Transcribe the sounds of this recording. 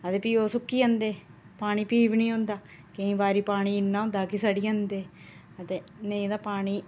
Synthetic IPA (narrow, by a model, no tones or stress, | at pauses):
ət̪eːpiːoːsʊkːiːə̃nd̪eː | paːɳ̃iːpiːʋnĩːɦʊ̃nd̪aː | keĩːbaːɾiːpaːɽ̃iːɪnːaːʊ̃nd̪aːkisaɖiːə̃nd̪eː | ət̪eːneĩːd̪aːpaːɽ̃iː